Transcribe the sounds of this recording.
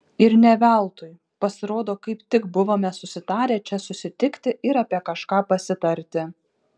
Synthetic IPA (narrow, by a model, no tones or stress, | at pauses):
ɪɾnʲɛʋʲælˠt̪ʊj | pɐsʲɪɾoːd̪oːkɐɪpt̪ʲɪkbʊʋoːmʲɛsʊsʲɪt̪ɑːɾʲeːt͡ʃʲɛsʊsʲɪt̪ʲɪkt̪ʲɪʔɪɾɐːpʲiɛkɐʃkɑːpɐsʲɪt̪ɐɾʲt̪ʲɪ